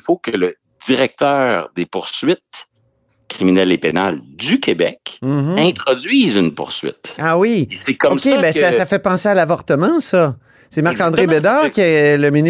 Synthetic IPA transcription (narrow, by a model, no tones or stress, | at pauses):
ifokələ | d̪̥iʁɛk̚t̪œːʁd̪epuʁsɥɪt̪̚ | kʲʁiminɛlepena̰ld̪ykʲebɛ̰km̩ɦ̩ɛ̃t̪χɔdzɥiːzynpṵʁsɥɪ̰t̪awisekɔskebɛsasafɛpɑ̃sealavɔʁt̪əmɑ̃sʌ | semaʁkɑ̃d̪ʁebed̪ɑːʁkʲɛləminɪ